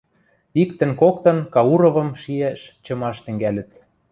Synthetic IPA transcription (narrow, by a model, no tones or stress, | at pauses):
ikt̪ə̆nkokt̪ɤ̆nkɑuɾɤ̆vɤ̆mʃiæʃt͡ɕɤ̆mɑʃt̪ɘ̆ŋɡælɘ̆t̪